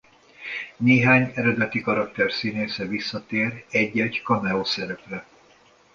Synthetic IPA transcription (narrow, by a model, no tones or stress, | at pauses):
neːɦaːɲɛɾɛd̪ɛt̪ikɒɾɒk̚t̪ɛrsiːneːsɛvisːɒt̪eːrɛɟːɛɟkɒmɛoːsɛɾɛprɛ